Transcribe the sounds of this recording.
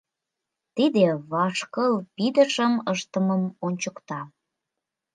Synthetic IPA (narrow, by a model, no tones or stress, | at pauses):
t̪id̪eβɑʃkəlpid̪əʃəməʃt̪əməmonʲt͡ɕəkt̪ɑ